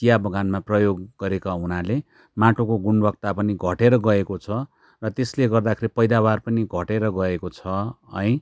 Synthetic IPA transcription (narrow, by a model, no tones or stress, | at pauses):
t̪ijabʱʌɡanmaprʌjoɡɡʌɾekaɦunale | maʈokoɡunbʱʌk̚t̪apʌniɡʱʌʈeɾʌɡʌekot͡sʰʌ | rʌt̪esleɡʌrd̪akʰeɾipʌjd̪abarpʌniɡʱʌʈeɾʌɡʌekot͡sʰʌʌ̰j̃